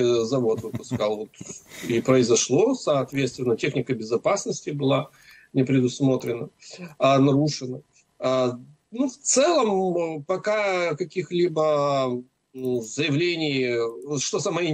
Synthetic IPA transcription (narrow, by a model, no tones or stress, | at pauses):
zɐvo̞t̪vɨpʊskalˠvo̞t̪ipɾəɪzɐʂlˠo̞sɐːt̪vʲet̪st̪vʲɪnːətʲexnʲɪkəbʲɪzɐpasnəsʲtʲɪbɨlˠa | nʲɪpɾʲɪd̪ʊsmo̞t̪ɾʲɪnə | nɐɾuʂɨnə | nuft̪sɛlˠəmpɐkakɐkʲixlʲibə | zəjɪvlʲenʲɪjʂt̪osɐmɐi